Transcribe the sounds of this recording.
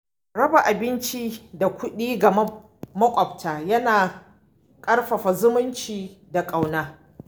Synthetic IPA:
ɽɐ˦ba˨ʔa˨bɪ˦nt͡ʃi˦da˨kʷʊ˦ɗiː˦ɡa˨˦ | mɐ˦kʷʼɐ˨b̚tʰaː˨jɐ˦naː˨ | kʼɐ˦rɸɐ˨ɸa˨zʊ˦mʊ˦nt͡ʃiː˨da˨kʼa˨wnaː˦

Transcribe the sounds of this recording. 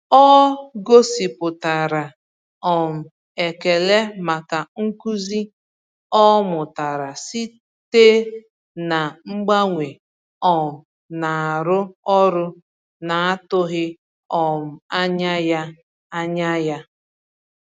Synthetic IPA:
ɔ˦ɡo˦si˨pʊ˨ta˨ɾa˨ | ɔ˨m̩˨ | e˨ke˨le˦ma˨ka˨ŋ̩˦ku˦zi˦ | ɔ˦mʊ˨ta˨ɾa˨si˦ | te˦ | na˨ŋ͡m̩˦ɡ͡ba˦ŋʷe˨ | ɔ˨m̩˨ | na˨a˨ɾʊ˦ɔ˦ɾʊ˦ | na˨a˦tʊ˦ɣɪ˦ | ɔ˨m̩˨a˦ɲa˦ja˦ | a˦ɲa˦ja˦

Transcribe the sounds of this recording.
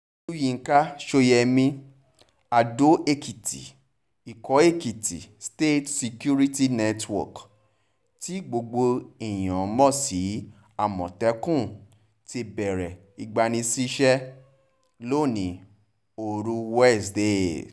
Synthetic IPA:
u˦jĩ˨˧˨ŋ̩˦ka˦ʃo˧jɛ˧mĩ˧ | a˧do˨˦ʔe˦ki˨ti˨ | i˨kɔ˨˦e˦˨ki˨tḭ˨ste˦˨tsi˧ku˦ɾi˦ti˦nɛ˦twɔ̰˨k | ti˦ɡ͡bo˧ɡ͡bo˧i˨j̃ã˨˦mɔ̃˦˨si˨˦ | a˦˨mɔ̃˨tɛ˨˦kũ˦˨ | te˧bɛ˨ɾɛ˨ | i˨ɡ͡ba˧nĩ˧si˦ʃɛ˦ | lo˦˨nĩ˨˦ | o˨ɾu˧wɛ˦˨sde˦

